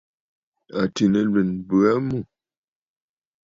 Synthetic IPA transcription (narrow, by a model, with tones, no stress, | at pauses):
a˨ti˨nə˨lə˨nbʉ˨a˦mu˦˨